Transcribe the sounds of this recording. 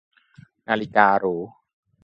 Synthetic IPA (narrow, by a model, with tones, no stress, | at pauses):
naː˧li˦kaː˧ɾuː˩˦